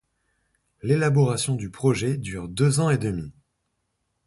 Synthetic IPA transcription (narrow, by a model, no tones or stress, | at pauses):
lelabɔʁasjɔ̃d̪ypχɔʒɛd̪yʁd̪øzɑ̃ed̪əmi